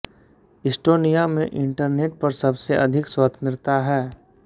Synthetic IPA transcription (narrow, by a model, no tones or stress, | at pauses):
ɪsʈoːnijamẽʔɪ̃ɳʈəɾneːʈ̚pɐɾsɐbseʔɐd̪ʱɪkswat̪ə̃nt̪ɾɪt̪aɦɛː